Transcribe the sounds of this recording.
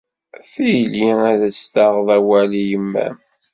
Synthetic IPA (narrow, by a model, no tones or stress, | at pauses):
fijliæðət͡sːθaʁðˤæwælijəmːæ̰